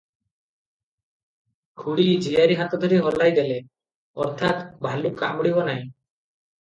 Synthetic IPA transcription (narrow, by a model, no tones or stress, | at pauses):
ɡʰʱuɽid͡ʒʱijaɾiɦat̪ɔd̪ʱɔɾiɦɔlajd̪ele | ɔ̰ɾt̪ʰat̪bʱaluka̰mɽibɔnaĩ